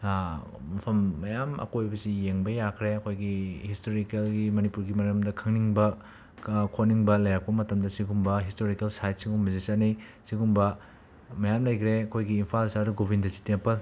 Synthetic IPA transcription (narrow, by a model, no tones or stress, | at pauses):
mɐpʰɐmːɐjamɐ̰kojbɐsijeŋbɐjakʰɾeɐkʰojɡihistoɾikelɡimɐnipuɾɡimɐɾɐmdɐkʰɐŋniŋbɐ | kʰoniŋbɐlɐjak̚pɐmɐtɐmdɐsiɡumbɐɦistoɾikelsajt̚siɡumbɐzisanijsiɡumbɐ | mɐjamlɐjkʰɾeɐkʰojɡiːmpʰalsɐɾuɡobʱindɐsi̥tepɐl